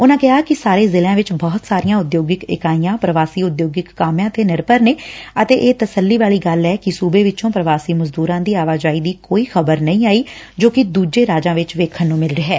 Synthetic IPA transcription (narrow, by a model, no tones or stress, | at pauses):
ʊnãːkɪɦaːkɪsaːɾeːzɪlãːʋɪt͡ʃbɔːt̪saːɾijãːʊd̪joːɡɪkɪ̰kaːijãːpɾəʋaːsiːʊd̪joːɡɪkːaːmjãːt̪eːnɪɾpəɾneːət̪eːʔeːt̪əsəlːiːʋaːliːɡəlɛːkɪsuːbeːʋɪt͡ʃõːpɾəʋaːsiːməzd̪uːɾãːd̪iːaːʋaːd͡ʒaːiːd̪iːkoːiːxʰəbəɾnəĩːaːiː | d͡ʒoːkɪd̪uːd͡ʒeːɾaːd͡ʒãːʋɪt͡ʃʋeːkʰːənːũːmɪlɾeːɦɛː